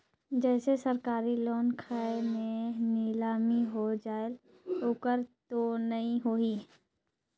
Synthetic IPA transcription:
d͡ʒɛːsesəɾkaːɾiloːnkʰaːemẽnɪlaːmiɦod͡ʒaːel | okəɾt̪onəɦĩɦoːi

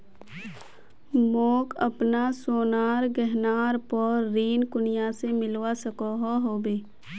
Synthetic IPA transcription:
moːkə̰pnasoːnaːɾɡɛɦnaːɾpɔːɾːiːnkʊnɪjasemɪlwasəkoɦoɦoːbeː

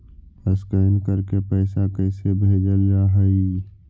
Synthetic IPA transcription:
pəskəːnkəɾkepɛːsakɛːsebʱeːd͡ʒəlɾaːɦəi

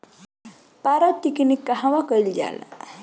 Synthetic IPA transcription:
paɾat̪ːikinikːaɦãʋakəild͡ʒa̰la̰

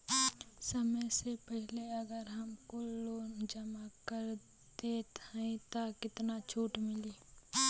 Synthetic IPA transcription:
sɐməjsepɛɦleɐɡəɾɦɐmkoloːnd͡ʒəmakəɾ | d̪eːt̪əĩt̪akɪt̪nat͡ʃʰuːʈmɪliː

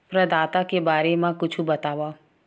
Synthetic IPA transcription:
pɾəd̪aːt̪akebaːɾemãkʊt͡ʃʰũbət̪aːʋa

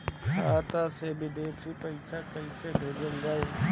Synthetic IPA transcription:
kʰaːt̪asebʱɪd̪eːɾsipəɪsakəĩsebʱeːd͡ʒəld͡ʒaːe

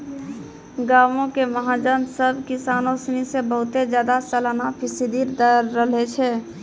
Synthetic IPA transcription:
ɡaːʋõkeməɦad͡ʒənsəbʱkɪsaːnosnisebəɦʊt̪ed͡ʒjaːd̪asəlanapʰɪsid̪iɾd̪əɾːəlet͡ʃʰɛː

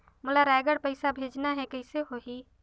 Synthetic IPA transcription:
mʊlaɾaːɡəɽpəɪsabʱeːd͡ʒnaɦɛ̃kəɪseɦoɦiː

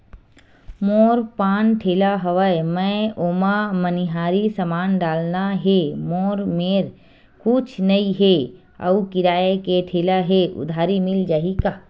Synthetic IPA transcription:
moːɾpaːnʈʰeːlaɦəʋəemɛ̃oːmaməniɦaːɾisəmaːnɖaːlnaɦemoːɾmeːɾ | kʊt͡ʃʰnɐiɦe | ə̰ukɪɾaːjekeʈʰeːlaɦeʔʊ̰d̪ʱaːɾimɪld͡ʒaːɦikaː

